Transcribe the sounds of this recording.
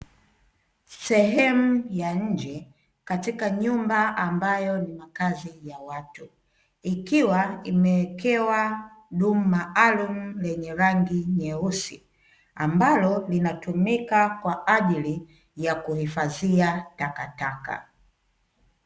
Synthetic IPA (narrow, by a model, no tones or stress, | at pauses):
sɛɦɛmujaɲ̩d͡ʒɛ | katikaɲumbaambajɔnimakazijawatu | ikiwaimɛɛkɛwaɗum̩maʔalum̩lɛɲɛɾaŋɡiɲɛusi | ambalɔlinatumikakwaʔaʄili | jakuhifaziatakataka̰